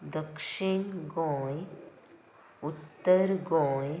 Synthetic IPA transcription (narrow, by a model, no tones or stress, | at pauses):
d̪əkʂiɳɡõj | ut̪ːəɾɡo